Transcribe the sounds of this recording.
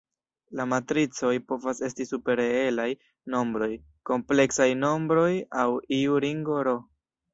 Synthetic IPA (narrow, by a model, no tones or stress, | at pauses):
lamatɾit͡so̞jpo̞vase̞stisupe̞ɾee̞laj | no̞mbɾo̞j | ko̞mple̞ksajno̞mbɾo̞jawiuɾiŋɡoɾo̞